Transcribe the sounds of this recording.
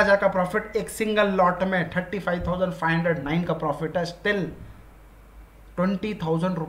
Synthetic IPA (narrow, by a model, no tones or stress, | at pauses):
ad͡ʒaɾkapɾɔpʰiʈeksĩŋɡəlːɔʈmẽt̪ʰəɾʈipʰajʋt̪ʰaʊzəɳɖfʰajɦə̃ɳɖɾeɖnaɪnkapɾɔpʰiʈɛsʈ̪il | ʈweɳʈit̪ʰaʊzəɳɖɾu